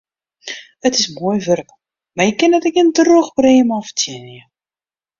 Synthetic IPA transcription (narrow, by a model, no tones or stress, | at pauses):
ətɪsmuːjvørk | marjəkːɪnətɛkəndroxbreːmɔftʰjinjə